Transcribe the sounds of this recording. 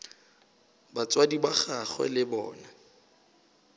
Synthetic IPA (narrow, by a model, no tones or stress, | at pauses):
bat͡sʼwadibaχaχwɛ̰lɪbɔ̰ːna